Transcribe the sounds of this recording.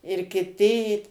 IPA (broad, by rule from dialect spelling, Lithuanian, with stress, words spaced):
ɪr kʲɪˈtʲɪ iː